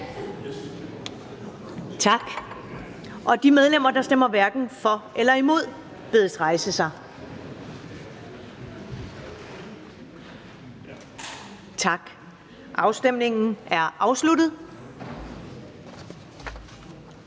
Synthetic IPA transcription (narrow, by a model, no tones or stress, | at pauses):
t͡sʰɑ̈ɡ̥ | ʔɒ̽d̥imeð̞ˠlem̰ɐd̥ɑ̈sd̥em̰ɐʋæɐɡ̥n̩fɒ̽elɐimo̝ð̞̰ˠ | b̥eðˠsʁɑ̈ɪsəsɑ̈ɪ | t͡sʰɑ̈ɡ̥ | ʔɑ̈ʊsd̥em̰ne̝ŋn̩æɐʔɑ̈ʊslud̥ð̩ˠ